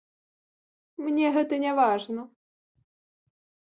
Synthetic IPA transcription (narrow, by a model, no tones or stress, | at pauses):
mnʲɛɦɛt̪ənʲɛvaʐnɔ